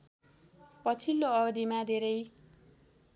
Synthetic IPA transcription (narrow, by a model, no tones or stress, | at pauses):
pʌt͡sʰilːoʌbʌd̪imad̪ʱeɾʌj